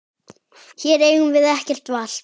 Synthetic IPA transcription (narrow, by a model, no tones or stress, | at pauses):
çɛɾeːjhunvɪðɛhcɛr̥t̪val̥